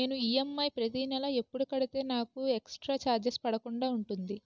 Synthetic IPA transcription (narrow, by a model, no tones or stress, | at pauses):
e̞ːnuijɐmːɐjpɾɐt̪inɛlɐe̞pːuɽukɐɽit̪e̞ːnaːkueksʈɾaːt͡ʃaːɾd͡ʒɐspɐɽɐkuɳɖaːuɳʈund̪i